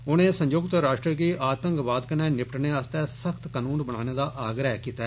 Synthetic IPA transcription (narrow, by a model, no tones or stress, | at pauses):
ʊnẽːsə̃ɲd͡ʒoːɡt̪əɾaːʃʈɾəɡiːʔaːt̪ə̃ŋkbaːd̪kənɛ̃ːnɪpʈneːaːst̪ɛːsəkʰt̪kənuːnbəɽ̃ã̰ːneːd̪aːʔaːɡɾəɦkiːt̪aː